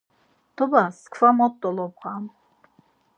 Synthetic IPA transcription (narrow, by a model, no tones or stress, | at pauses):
d̪̥ɔbaskʰvamɔt̪ʼːɔlɔb̚ʁam